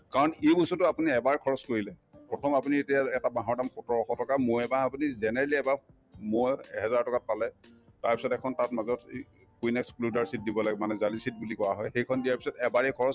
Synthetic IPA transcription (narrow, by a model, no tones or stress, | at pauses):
kaɹɔnejbosɔtʊapuniɛbaɹkʰɔɹɔskoɹilɛpɹɔtʰɔmapunietijaɛtabaɦɔɹdamxutɔɹɔxɔtɔkamojɛbaapunizɛnɛɹɛliɛba | mojɦɛzaɹtɔkat̚palɛtaɹpisɔtɛkʰɔntatmazɔt | kuinɛkskludaɹsit̚dibɔlaɡɛmanɛzalisit̚bulikɔɹaɦɔjxejkʰɔndijaɹpi̥sɔtɛbaɹɛkʰɔɹɔs